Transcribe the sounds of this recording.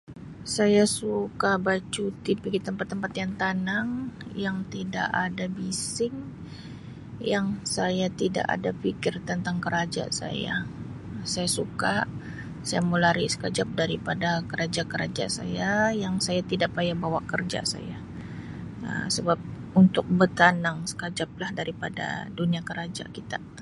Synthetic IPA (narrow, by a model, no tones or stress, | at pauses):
sajasukabat͡ʃut̪ipiɡit̪əmpat̪ːəmpat̪jant̪anaŋjaŋt̪ida̰ʔadabisɪŋ | jaŋsajat̪ida̰ʔa̰dapikɪrt̪ənt̪aŋkəɾad͡ʒa̰sa̰ja̰ | sajasukaʔ | sajaməlaɾisə̥kad͡ʒap̚daɾipadakəɾad͡ʒakəɾad͡ʒa̰sa̰jajaŋsajat̪idaʔpajabawaʔkərd͡ʒa̰sa̰ja | ə̰səbap̚unt̪ʊk̚bərt̪anaŋsə̥kad͡ʒap̚lahdaɾipada̰duniakəɾad͡ʒa̰kit̪a